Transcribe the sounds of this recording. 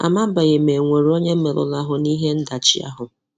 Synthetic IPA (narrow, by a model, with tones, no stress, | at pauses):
a̰˨ma˦m̩˦ba˨ɣe˨m̩e˨ŋʷe˨ɾi˨˦o˦ɲe˦m̩˦me˨lʊ̰˨la˦ɦʊ˨ni˦ɦe˦n̩˦da˨t͡ʃḭ˦a̰˦ɦʊ˨